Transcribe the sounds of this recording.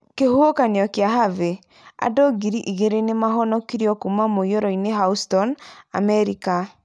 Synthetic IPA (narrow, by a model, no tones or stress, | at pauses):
kehookaneɔkeaɦave | a̰doɡiɾiʔiɣeɾenemaɦɔnɔkiɾiɔkumamoioɾɔineɦaustɔna̰mɛɾika